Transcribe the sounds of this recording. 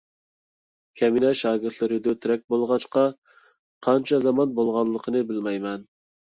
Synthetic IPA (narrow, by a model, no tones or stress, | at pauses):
kʲʰɛminɛʃɑːɡʲɪɾt̪ʰlɨɾɪd̪ʊt̪ʰyɾɛk̚ʲbolˠʁɑt͡ʃqɑ | qʰɑnt͡ʃʰɑzɑmɑnbolˠʁɑnlˠːəqʰənɨbɪlmɛjmɛn